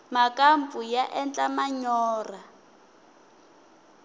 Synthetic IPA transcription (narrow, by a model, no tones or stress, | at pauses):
makampujaʔɛnt͡ɬʼamaɲɔːra